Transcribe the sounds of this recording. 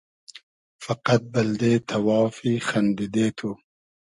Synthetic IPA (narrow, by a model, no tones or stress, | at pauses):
fɐqɐt̪̚bɐld̪eːt̪ʰɐwɑːfixɐnd̪id̪eːt̪ʰu